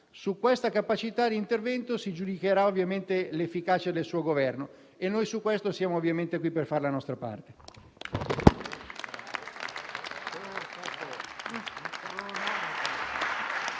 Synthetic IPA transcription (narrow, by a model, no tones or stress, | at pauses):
sukwest̪akapat͡ʃit̪ad̪iːnt̪ervɛnt̪osid͡ʒud̪ik̟eɾaovːjament̪elefːikaːt͡ʃad̪elsuːoɡovɛrno | enːojsukwest̪osjaːmoovːjament̪ekwipːerfaɾelanɔst̪ɾapa̰rt̪e̥ | t̪at̪oiskut̪ɾone